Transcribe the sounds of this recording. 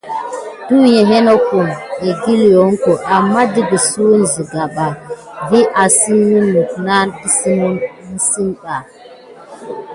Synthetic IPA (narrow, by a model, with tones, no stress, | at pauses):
du˦je˨ɦe˦no˦ku˨ne˨ɡi˦ljo˨˦ŋ˦ko˨ʔa˨mːa˦di˦ɡi˨su˦wu˦nzi˨ɡa˨ɓa˨ | vi˦ʔa˨si˦wu˦nːu˨kna˦nɗi˦si˦mu˦ni˦si˦nɓa˨